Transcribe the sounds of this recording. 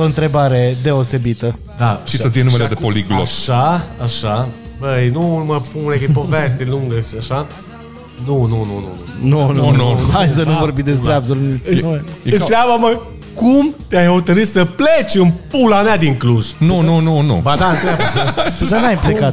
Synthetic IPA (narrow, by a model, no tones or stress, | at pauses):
oɨnt̪ɾe̞baɾe̞d̪e̞ose̞bit̪ə | d̪aʃisət̪ijenumelead̪epoliɡlosʃaaʃa | bəjnuməpununekipoves̬t̪eluŋɡəʃiaʃa | nunununṵunununuajs̬ənuvo̞ɾbimd̪e̞s̬pɾeabsolui | ɨnɾɪabamə | kumt̪ʲajhot̪əɾɨt̪səplet͡ʃɨnpulamead̪iŋkluʒnunununṵbad̪aɨnt̪ɾabad̪anajplekat̪